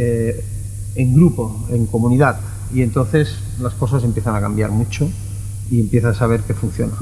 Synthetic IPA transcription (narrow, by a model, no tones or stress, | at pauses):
e | eŋɡɾupo̞eŋkomuniðat̪ | ie̞nt̪onθe̞s | lasko̞s̬as̬e̞mpjeθanakambjaɾmut͡ʃo | ie̞mpje̞θasaβ̞e̞ɾkefun̟θjona